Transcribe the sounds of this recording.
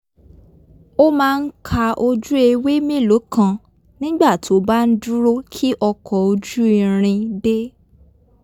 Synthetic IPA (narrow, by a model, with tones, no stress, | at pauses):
o˦mãː˦˧n̩˦kʰa˧ʔo˧d͡ʒu˦e˧we˦mĩ˦˨lo˨˦kʰã˧ | nĩ˦ɡ͡ba˦˨ti˨o˦ba˦n̩˦du˦ɾo˦kʰi˦ʔɔ˧kʰɔ˨o˧d͡ʒu˦i˧ɾ̃ĩ˧de˦